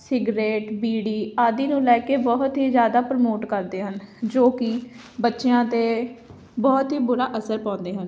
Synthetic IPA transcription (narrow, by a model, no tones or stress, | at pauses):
sɪɡɾeːʈbiːɽiːaːd̪iːnũːlɛːkeːbɔɦʊt̪ɦiːzjaːd̪aːpɾəmoːʈkəɾd̪eːɦənd͡ʒoːkɪ | bətːʃejãːt̪eː | bɔːt̪ɦiːbʊɾaːʔəsəɾpãːnd̪eːɦən